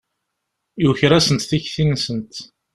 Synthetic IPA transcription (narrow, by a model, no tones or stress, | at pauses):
juçɾæsənt̪θiçθinsənt̪